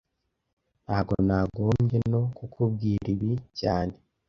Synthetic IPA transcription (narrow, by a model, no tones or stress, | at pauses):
naːɡo̰naɡo̞ːmɟe̞no̞kukʰub̚ɡiːɾiβicaːne̞